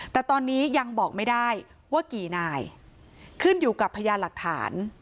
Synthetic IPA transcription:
t̪ɛː˨˩t̪ɔː˧nːiː˦˥ja˧ŋbɔː˨˩k̚ma˥˩jda˥˩j | waː˥˩kiː˨˩naː˧j | kʰɯ˥˩njuː˨˩ka˨˩pʰːa˧jaː˧la˨˩k̚t̪ʰa̰ː˩˦n

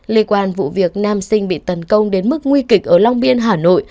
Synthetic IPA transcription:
li˧kwaː˧nvṵ˧˨vi˨˩ək̚naː˧msï˧ŋ̟ɓḭ˧˨t̪ə˨˦nkə˧wŋ͡mɗe˨˦nmɨ˦˥k̚ŋwi˧kï˨˩k̟̚ʔəː˧˩la˧wŋ͡mɓi˧ənɦaː˨˩no̰˧˨j

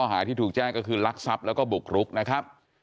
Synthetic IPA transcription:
ɔː˥˩ɦaː˩˦t̪ʰiː˥˩uː˨˩k̚t͡ɕɛː˥˩ŋkːɔː˥˩kʰɯː˧la˦˥k̚sa˦˥p̚lɛ˦˥wkɔː˥˩bu˨˩k̚ʰɾu˦˥k̚na˦˥kʰa˦˥p̚

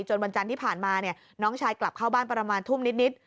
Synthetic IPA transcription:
t͡ɕo˧nwa˧nt͡ɕa˧nt̪iː˥˩pʰaː˨˩nmaː˧ni˥˩ɐ | nɔː˦˥ŋt͡ɕʰaː˧jkla˨˩p̚kʰaː˥˩wbaː˥˩npɾa˧maː˧nt̪ʰu˥˩mni˦˥t̪̚ni˦˥t̪̚

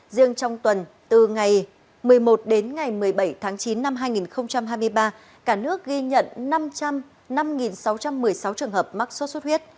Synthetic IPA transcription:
zi˧əŋt͡ɕɔ˧wŋ͡mt̪wə˨˩n | t̪ɨ˨˩ŋa˨˩j | mɨ˨˩əjmo˨˩t̚ɗe˨˦nŋa˨˩jmɨ˨˩əjɓə˧˩jt̪ʰaː˨˦ŋt͡ɕi˨˦nːa˧mɦaː˧jŋi˨˩nxə˧wŋ͡mt͡ɕa˧mɦaː˧jmɨ˧əjɓaː˧ | kaː˧˩nɨ˦˥ək̚ɣi˧ɲə̰˧˨nna˧mt͡ɕa˧m | na˧mŋi˨˩nsa˨˦wt͡ɕa˧mːɨ˨˩əjsa˨˦wt͡ɕɨ˨˩əŋɦəː˨˩p̚ma˦˥k̚so˦˥t̚so˦˥t̚hwi˦˥ət̚

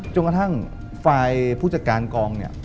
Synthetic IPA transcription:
t͡ɕo˧nka˧t̪ʰa˥˩ŋ | faː˧jpʰuː˥˩t͡ɕa˧t̪̚kaː˧nkɔː˧ŋni˥˩ɐ

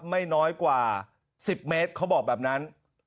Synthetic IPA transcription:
ma˥˩jnɔː˦˥jkwaː˨˩ | si˨˩p̚me˦˥t̪̚kʰa˦˥wbɔː˨˩k̚bɛː˨˩p̚na˦˥n

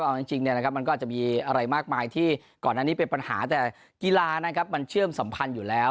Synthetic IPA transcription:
ʔa˧t͡ɕi˧ŋt͡ɕi˧ŋni˥˩ɐna˦kʰp̚ma˧nkɔ˥˩˨t͡ɕa˨˩miː˧ʔa˧ɾa˧jmaː˥˩k̚maː˧jt̪ʰiː˥˩ | kɔː˨˩naː˥˩niː˦˥pe˧npa˧nha̰ː˩˦t̪ɛː˨˩ | ki˧laː˧na˦˥kʰa˦˥p̚ma˧nt͡ɕʰɯ˥˩əmsa˩˦mpʰa˧njuː˨˩lɛː˦˥w

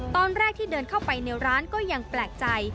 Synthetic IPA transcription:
t̪ɔː˧nɾɛː˥˩k̚t̪ʰiː˥˩dɤː˧nkʰa˥˩wpa˧jne˧wɾaː˦˥nkɔː˥˩ja˧ŋplɛː˨˩k̚t͡ɕa˧j

